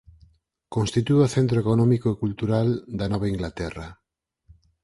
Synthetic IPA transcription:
konst̪it̪uoθent̪ɾoekonɔmikoekult̪uɾald̪anɔβ̞aiŋɡlat̪ɛra

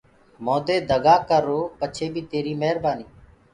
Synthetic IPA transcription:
moːd̪eːd̪əɡaːkəɾːoːpət͡ʃʰeːbʱiːt̪eːɾiːməɦɾbaːniː

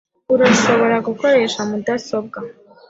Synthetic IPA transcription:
uɾaʃo̞βo̞ɾaɡuko̞ɾe̞ːʃamudaso̞b̚ɡa

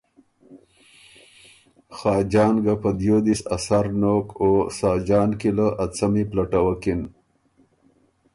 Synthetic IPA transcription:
xɑːd͡ʒɑːnɡapəd̪jod̪isasaɾnokosɑːd͡ʒɑːnkilaʔat͡samiplaʈawakin

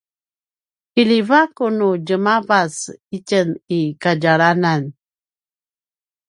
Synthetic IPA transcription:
ilivakunud͡ʒəmavasicənikaɟaɾanan

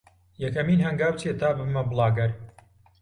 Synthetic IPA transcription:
jɐkɐmiːnhɐŋɡaːwt͡ʃeːt̪ʰaːbɨmɐblˠɑːɡɐɾ

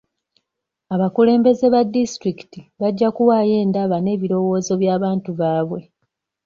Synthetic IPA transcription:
aβakule̞ːmbe̞ze̞βadːistɾiki̥tiβaɟːakuwaːje̞ːndaβane̞ːβiɾo̞wo̞ːzo̞βjaːβaːntuβaːβwe̞

